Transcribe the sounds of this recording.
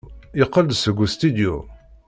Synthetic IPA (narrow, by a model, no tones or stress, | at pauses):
ɪqːəld̪səɡʷːust̪id̪jṵ